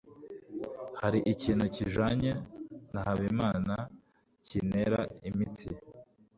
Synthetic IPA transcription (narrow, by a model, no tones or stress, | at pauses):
haɾiʔiciːnhuciʒaɲenahaβimaːna | cineɾa̰imit͡sḭ